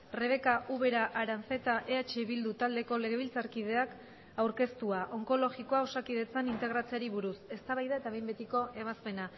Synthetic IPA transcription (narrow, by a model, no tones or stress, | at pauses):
re̞β̞e̞kaʔuβe̞ɾaʔaɾanfe̞t̪aʔe̞at͡ʃeβild̪ut̪ald̪e̞ko̞le̞ɣe̞β̞ilt͡saɾkið̞e̞ak | awɾke̞st̪uaʔo̞ŋko̞lo̞ɣiko̞aosakið̞e̞t͡sanint̪e̞ɣ̞ɾat͡seaɾiβuɾuse̞st̪aβajðaet̪aβejmbe̞t̪iko̞ʔe̞βaspe̞na